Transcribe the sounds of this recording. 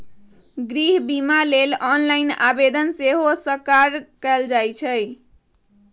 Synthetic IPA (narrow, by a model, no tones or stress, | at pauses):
ɡɾiɦbimalelɔnlaina̰bed̪ənseɦosəkaɾkəld͡ʒajt͡ʃʰəj